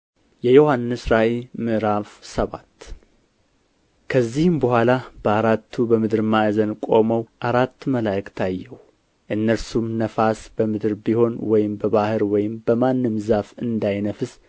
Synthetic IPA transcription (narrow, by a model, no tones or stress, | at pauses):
jɛjo̞hanːɨsɾaʔelmɨʔɾafsəβa̰t̪ː | kʰəzːihɨmbəhʷalab̥əaɾat̪ʰːubəmɨd̪ɨɾmajzənkʼo̞məwʔaɾat̪ːməlajkt̪ʰajːɛw | ʔɨnːəɾsumnəfasb̥əmɨd̪ɨɾbiho̞nwɔjɪmbəβahɨɾwɔjɪmbəmanːɨmzafɨnd̪ajnəfɨs